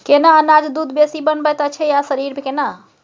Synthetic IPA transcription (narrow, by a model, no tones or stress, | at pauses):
kenaənad͡ʒd̪ud̪ʱbesibənbɛt̪ət͡ʃʰɛjasəɾiɾbʱekena